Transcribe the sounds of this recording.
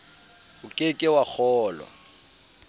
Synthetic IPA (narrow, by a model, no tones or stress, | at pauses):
ʊkʼekʼɪwak͡xʰɔːlwa̰